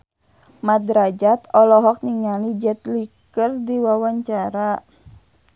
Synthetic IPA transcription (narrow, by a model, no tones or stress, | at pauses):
mad̪ɾad͡ʒat̪ɔlɔɦɔk̚niŋalid͡ʒɛt̪̚likərdiwawaɲt͡ʃaɾa